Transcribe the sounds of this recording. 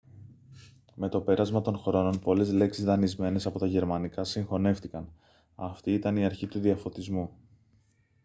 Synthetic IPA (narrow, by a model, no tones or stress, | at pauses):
me̞t̪o̞pe̞ɾɐzmɐt̪o̞nxɾo̞no̞npo̞le̞zle̞ksizðɐnizme̞ne̞sɐpo̞t̪ɐʝe̞ɾmɐnikɐsiŋxo̞ne̞ft̪ikɐn | ɐ̰ft̪iit̪ɐniɐɾçit̪uðiɐfo̞t̪izmu